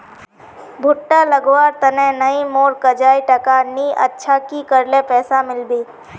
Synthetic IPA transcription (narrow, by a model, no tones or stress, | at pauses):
bʱʊʈːaləɡwaːɾt̪ɐnẽnəimoːɾkəd͡ʒaːiʈɐkaːniʔə̰tːʃʰakikəɾlepɛːsamɪlbiː